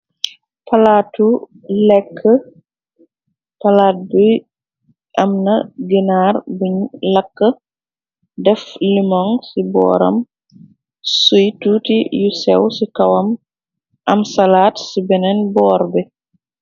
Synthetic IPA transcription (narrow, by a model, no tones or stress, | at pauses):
pɐlaːtu | lɛkʰːə | pɐlaːt̚buj | ɐmnɐɡinaɾbuɲlɐkːə | dɛflimɔŋsibɔ̰ːɾɐ̰m | sujtuːtijusɛwsikɐwɐm | ʔɐmsalaːtsibɛnɛnbɔːɾbɛ